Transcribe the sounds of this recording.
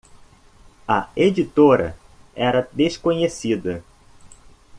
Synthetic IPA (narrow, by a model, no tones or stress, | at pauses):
ɐed͡ʒit̪oɾɐ̰ | ɛɾɐd̪eʃkõɲesid̪ɐ